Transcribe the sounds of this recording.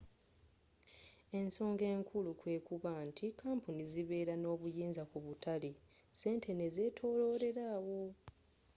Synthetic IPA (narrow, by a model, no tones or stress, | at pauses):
e̞nso̞ːŋɡe̞ːŋkʰulukwe̞ːkuβaːntʰikaːmpuniziβe̞ːɾano̞ːβujiːnzakuβutʰali | se̞ːntʰe̞neze̞ːtʰo̞ːlo̞ːɾe̞ɾaːwo̞